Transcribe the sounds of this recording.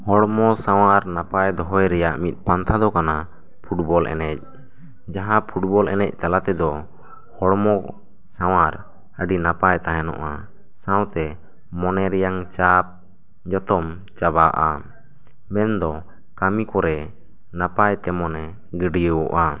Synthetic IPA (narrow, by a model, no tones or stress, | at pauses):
hɔɽmɔsaw̃aɾnapajd̪ɔɦɔjɾɛjaʔmit̪̚ˀpant̪ʰad̪ɔkana | pʰuʈ̚bɔlʔɛ̰nɛc̚ | d͡ʒaɦãpʰuʈ̚bɔlɛ̰nɛc̚ˀt̪alat̪ɛd̪ɔ | hɔɽmɔ | saw̃aɾ | əɖinapajt̪aɦɛnɔ̰ʔa | sãwt̪ɛ | mɔnɛɾɛjaŋt͡ʃap̚ | d͡ʒɔt̪ɔm | t͡ʃabaʔa | mɛnd̪ɔ | kamikɔɾɛ | napajt̪ɛmɔnɛ | ɡəɖijəwɔʔa